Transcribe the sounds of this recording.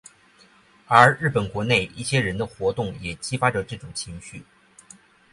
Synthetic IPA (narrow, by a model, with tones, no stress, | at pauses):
ə˞˧˥ɻɻ̩˥˩pə˨˩nkwɔ˧˥ne˥˩ɪʔḭ˥˩ɕjɛ˥ɻə˧˥nd̪ə˧xwɔ˧˥t̪ʊ˥˩ŋjɛ˨˩t͡ɕi˥fa˥ʈ͡ʂə˧ʈ͡ʂɤ˥˩ʈ͡ʂʊ˨˩ŋt͡ɕʰi˧˥ŋɕy˥˩